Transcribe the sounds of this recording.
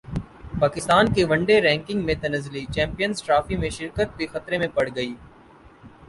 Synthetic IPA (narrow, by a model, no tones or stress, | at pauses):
paːkɪst̪aːnkeʋɐ̃ɳɖeɾɛ̃ːŋkɪ̃ŋɡmẽt̪ɐnəzlit͡ʃɛ̃ːmpijənzʈɾaːfimẽʃɪɾkət̪̚bʱixɐt̪ɾemẽpɐɽ̤ɡɐiː